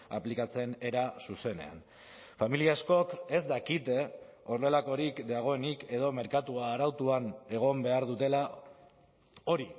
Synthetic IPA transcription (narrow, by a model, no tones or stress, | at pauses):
a̰plikat͡se̞ne̞ɾasuse̞ne̞̰a̰n | familiaesko̞ke̞zd̪akit̪e̞o̞ɾðe̞lako̞ɾikd̪aɣ̞o̞e̞nike̞ð̞o̞me̞ɾkat̪uaːɾawt̪uane̞ɣ̞o̞mbe̞aɾðut̪e̞la | o̞ɾi